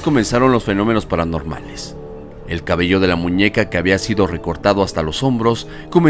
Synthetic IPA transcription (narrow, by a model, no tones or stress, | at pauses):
ko̞mẽ̞nsaɾo̞nlo̞sfe̞no̞me̞no̞spaɾano̞ɾma̰le̞s | e̞lkaβe̞ʝo̞ð̞e̞lamũɲe̞kake̞aβiasiðo̞re̞ko̞ɾt̪aðo̞ast̪alo̞so̞mbɾo̞s | ko̞me